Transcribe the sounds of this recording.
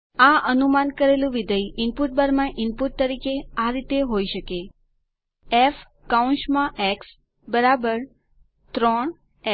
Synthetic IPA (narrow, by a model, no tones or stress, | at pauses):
aʔənumankəɾelũʋid̪əjɪmpuʈ̚bəɾmãʔɪmpuʈ̚t̪əɾikeaɾit̪eɦoiʃəke | ef | kaunʃmãʔɛks | bəɾabəɾ | t̪ɾɔɳ